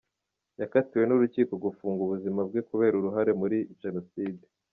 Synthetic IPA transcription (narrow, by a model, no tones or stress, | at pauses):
jakatiwe̞nuɾuciːko̞ɡufuːŋɡuβuzimab̚ɡekuβe̞ːɾuɾuɦaɾe̞muɾiʒ̥e̞no̞siːde